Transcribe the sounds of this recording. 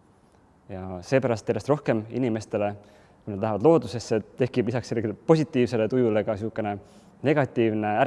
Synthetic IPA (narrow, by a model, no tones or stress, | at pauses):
jɑse̞ːpæɾɑst̪jæɾjest̪ro̞hke̞mḭnime̞st̪e̞le̞ | kujned̪ɑɦɑvɑd̪̥lo̞ːd̪use̞sːe̞t̪e̞hkib̥lisɑkseleɡipo̞sʲit̪ːˑiːvse̞le̞t̪ujule̞ɡ̥ɑsukːˑe̞ne̞ | ne̞ɡ̥ɑt̪ˑːiːvne̞æɾ